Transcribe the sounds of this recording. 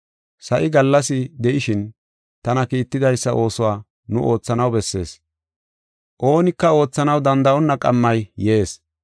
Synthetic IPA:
sɐʔɪɡɐlːɐsɪd̪ɛʔɪʃɪn | t̪ɐnɐkiːt̪ːɪd̪ɐjsːɐʔo̞ːsʊwaː | nʊ̰ʔo̞ːt͡sːɐnɐwbɛsːe̞̰ːs | ʔo̞ːnɪkːɐo̞ːt͡sːɐnɐwd̪ɐnd̪ɐʔɔnːɐkʼɐmːɐjje̞ːs

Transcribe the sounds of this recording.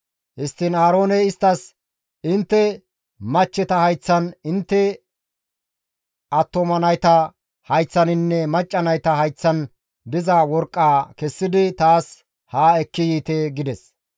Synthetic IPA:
hɪst̪ːɪnaːɾo̞ːnɛɪst̪ːɐs | ɪnt̪ːɛ | mɐt͡ʃːɛt̪ɐhɐjt͡sːɐnɪnt̪ːɛ | ɐt̪ːomɐnɐjt̪ɐ | hɐjt͡sːɐnɪnːɛmɐt͡ʃʼːɐnɐjt̪ɐhɐjt͡sːɐn | d̪ɪzɐwɔɾkʼːaːkɛsːɪd̪ɪt̪aːs | haːɛkːɪjiːt̪eːɡɪd̪ɛs

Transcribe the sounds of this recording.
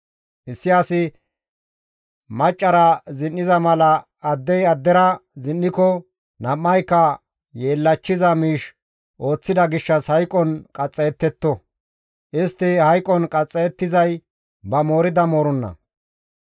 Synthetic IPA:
ʔɪsːɪjaːsɪ | mɐt͡ʃʼːɐɾɐzɪnːɪzɐmɐlɐː | d̪ːɛjɐd̪ːɛɾɐzɪnːɪkɔ | nɐmːɐjkːɐ | jeːlːɐt͡ʃːɪzɐmiːʃ | ʔo̞ːt͡sːɪd̪ɐɡɪʃːɐshɐjkʼɔnkʼɐt͡sʼːɛjɛt̪ːɛt̪ːɔ | ʔɪst̪ːɪhɐjkʼɔnkʼɐt͡sʼːɛɛt̪ːɪzɐj | bɐmo̞ːɾɪd̪ɐmoːɾɔnːɐ̰

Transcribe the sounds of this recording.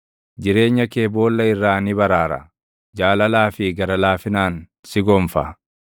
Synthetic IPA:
d͡ʒɪɾe̞ːɲːɐkeːbo̞ːlːɐɪrːaːnɪbɐɾaːɾɐ̰ | d͡ʒaːlɐlaːfɪɡɐɾɐlaːfɪnaːn | sɪɡɔːmfɐ̰

